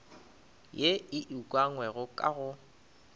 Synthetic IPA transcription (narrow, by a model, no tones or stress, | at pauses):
jeɪʔukʼwaŋwɛɣʊkʼa̰ɣʊ